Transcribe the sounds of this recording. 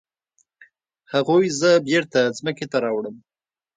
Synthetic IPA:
haɣojzəbjeɾt̪azməket̪aɾɑwɽəm

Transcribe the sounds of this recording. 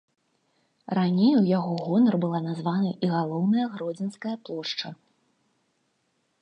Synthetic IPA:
ranʲejujaɣɔɣɔnɐrbɨlˠanazvanɨʔiɣalˠɔwnɐjɐɣɾɔd͡zʲɛnskɐjɐplˠɔʂt͡ʂɐ

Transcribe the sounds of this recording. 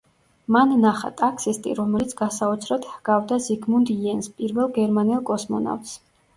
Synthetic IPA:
manːaχa̰t̪ʼakʰsist̪ʼḭɾɔmɛlit̪sʰɡasaut̪sʰɾɔt̪hɡ̥avd̪aziɡmund̪iɛnspʼiɾvɛlˠɡɛɾmanɛlˠkʼɔsmɔ̰na̰ft̪s

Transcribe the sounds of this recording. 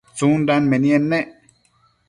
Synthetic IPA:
t͡suːnɖanmenienːeʔ

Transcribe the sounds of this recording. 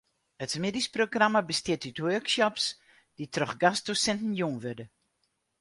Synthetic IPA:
ətsmɪdisproɡramabəstjɪtytwøksɔps | d̥itrɔxɡasd̥usɛntn̩juŋʋørdə

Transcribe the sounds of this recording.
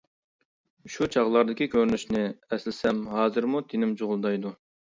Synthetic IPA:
ʃut͡ʃʰɑʁlˠɑɾd̪ɪkʲikʲøɾnyʃnɪɛslɪsɛmɦɑːzɨɾmut̪ʰenɪmt͡ʃʰoʁʊlˠd̪ɑjd̪u

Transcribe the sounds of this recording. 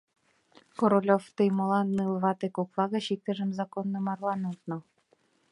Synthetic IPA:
koɾolʲoft̪ɯjmolɑnːɯlˠβɑt̪ekoklɑɣɤ̆ɕik̚t̪ə̆ʒə̆mzɑkonːɤmɑrlˠɑnut̪nɤ̆

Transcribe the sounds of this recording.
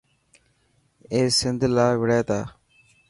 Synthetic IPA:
eːsɪnd̪laːʋɪɽeːt̪aː

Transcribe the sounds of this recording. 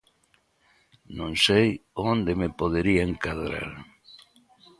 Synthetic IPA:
nõnsejond̪emepoðeɾiaeŋkaðɾa̰ɾ

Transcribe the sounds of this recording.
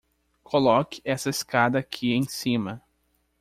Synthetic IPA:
kʰolɔkɪ̥ɛsɐeskad̪ɐːkʰiẽj̃sĩmɐ

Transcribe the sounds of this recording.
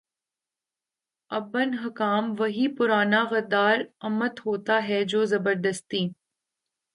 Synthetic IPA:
ɐbənɦɐkaːmʋɐɦipʊɾaːnaɣɐd̪aːɾɐmət̪ɦoːt̪aɦɛd͡ʒoːzɐbəɾd̪əst̪iː

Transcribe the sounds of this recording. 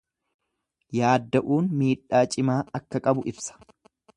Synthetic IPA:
jaːd̪ːɐʔuːnmiːᶑːaːt͡ʃʼɪmaːɐkːɐkʼɐbʊʔɪbsɐ̥

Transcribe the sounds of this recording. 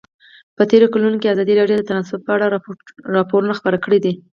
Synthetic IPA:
pət̪eɾokalunokiazɑd̪iɾɑɖjod̪ət̪anɑsʊp̚pəaɽaɾɾɑpoɾunaxpəɾakəɽid̪i

